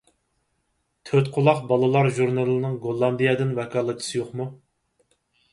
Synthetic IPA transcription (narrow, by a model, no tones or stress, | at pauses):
t̪ʰøt̪qʰʊlˠɑqbɑlˠɨlˠɑɾʒuɾnɑlˠɨnɨŋɡolˠːɑnd̪ijɛd̪ɪnvɛkʰɑːlˠɨt̪ʰɨ̥sɨjoqmu